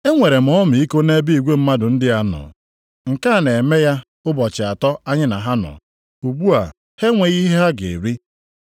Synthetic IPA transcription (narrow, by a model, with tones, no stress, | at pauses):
e˦ŋʷe˨ɾe˨m̩˨ɔ˦m˨i˦ko˦ne˦bi˦i˨ɡʷe˦m̩˦ma˦dʊ˨n̩˦dɪ˦a˦nɔ̰˨ | ŋ̩˨ka˦˨ne˨me˦ja˦ | ʊ˦bɔ˨t͡ʃɪ˨a˨tɔ˦a˦ɲɪ˦na˨ɦa˦nɔ̰˨ | u˨bu˦a˨ | he˦ŋʷe˨ɣi˦ɦe˦ɦa˦ɡḛ˨e˨ɾi˦